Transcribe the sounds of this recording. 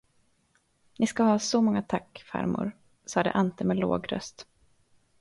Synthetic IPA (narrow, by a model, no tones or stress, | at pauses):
nʔɪskahɑːsɔmɔŋːat̪ʰakːfa̰ɾmʊ̰ɾ | sɑːd̪ə̰ʔant̪əmeːlo̰ːɡɾœ̰st̪